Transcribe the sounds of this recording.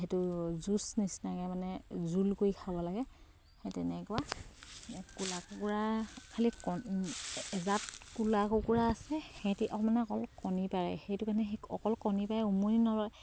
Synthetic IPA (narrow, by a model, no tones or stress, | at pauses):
ɦetʊzusnisnaɡɛmanɛzulkojikʰabɔlaɡɛ | hɛtɛnɛkʊa | kulakukuɹakʰalikɔ | ɛzatkulakukuɹaːsɛhɛtiʔɔmanɛɔkɔlkɔnipaɹɛ̰xejtʊkanɛɔ̰kɔlkɔnipaɹɛumuninɔlɔj